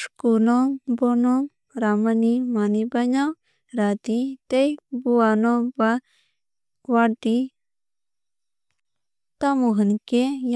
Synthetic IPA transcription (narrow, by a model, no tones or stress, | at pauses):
ʂkunobono | ɾamanimanibaɲaw | ɾat̪it̪ejbuanoba | wad̪i | t̪amuɦənkej